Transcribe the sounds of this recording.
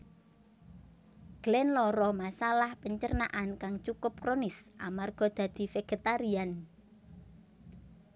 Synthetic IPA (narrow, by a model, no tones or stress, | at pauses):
ɡ̥lɛnlɔɾɔmasalahpəɲt͡ʃərna̰ʔankaŋt͡ʃukʊp̚kɾonɪsʔa̰marɡ̥ɔ̤d̪̥ä̤d̪̥i̤feɡ̥e̤t̪aɾian